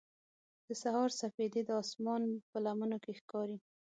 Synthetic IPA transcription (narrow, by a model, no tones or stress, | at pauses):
d̪̥əsahɑɾsafed̪ed̪əɑsmɑnpəlamənokexkɑɾi